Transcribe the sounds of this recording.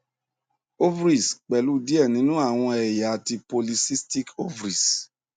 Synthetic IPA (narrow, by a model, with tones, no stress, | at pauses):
o˦vɾi˨sk͡pɛ˨lu˨˦di˦ɛ˦˨nĩ˨˦nũ˦a˦˨w̃ɔ̃˧ɛ˨ja˨a˨ti˧po˧li˧si˦sti˦ko˦vɾi˨s